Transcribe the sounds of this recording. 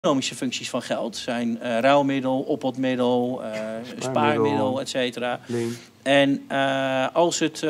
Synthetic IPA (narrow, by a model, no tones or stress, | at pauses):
noːmisəføŋksisfɔnχɛlˠtsɛjnrawmɪdəlˠɔpəlˠtmɪdəlˠəspaːmɪdəlˠɛtseːtəra | ɛnəɑlˠsət